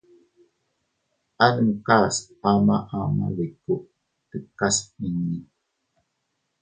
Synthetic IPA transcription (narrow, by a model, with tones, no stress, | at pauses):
anə˨mka˦s | ama˦ʔa˨ma̰˨le˨kuʔ | tə˨kasmi˨ɲi˦